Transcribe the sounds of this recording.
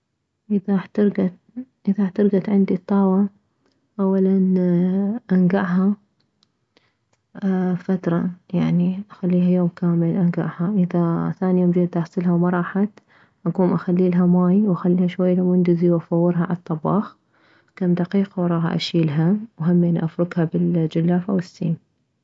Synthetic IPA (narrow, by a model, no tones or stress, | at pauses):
ʔɪðat̪ɾɡa | ʔɪðaħt̪ɑɾɡat̪ʕɪnd̪it̪ˤːɑːwa | ʔawːalan | ʔanɡaʕɦa | fat̪ɾˤɑjaʕniʔaxalːiːɦajoːmkaːmɪlʔanɡa̰ʕhaʔɪðaθaːnijoːmd͡ʒid̪aħsˤɪlɦawmɑɾˤɑːħat̪ | ʔaɡuːmʔaxalːiːlaɦamaːjwʔaxalːiːhaʃwajːlamʊnd̪ɪziwʔafɑwːɪɾɦaʕa̰lɑt̪ˤːɑbɑ̰ːx | kamd̪aqiːqawɾˤɑːɦa̰ʔa̰ʃiːlɦawɦamːiʔɪnːiʔafɾʊɡhabɪld͡ʒʊlːaːfawɪsːḭːm